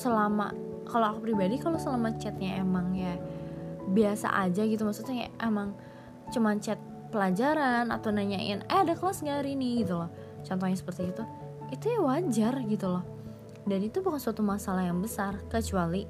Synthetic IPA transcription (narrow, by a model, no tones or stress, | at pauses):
səlama̰ | kaloakupɾibadikalosəlamat͡ʃɛt̪̚ɲaemaŋja | biasa̰ʔa̰d͡ʒaɡit̪̬umasut̪ɲaa̰ʔemaŋ | t͡ʃumant͡ʃɛt̪̚ | pəlad͡ʒaɾana̰t̪awnaɲaʔɪ̰nɛadakəlasɡaɾinɪhɡit̪ulɔh | t͡ʃɔnt̪ɔɲasə̥pərt̪iːt̪u | it̪ujawad͡ʒarɡit̪ulɔh | danit̪ubukansuat̪umasalahjaŋbəsarkət͡ʃuali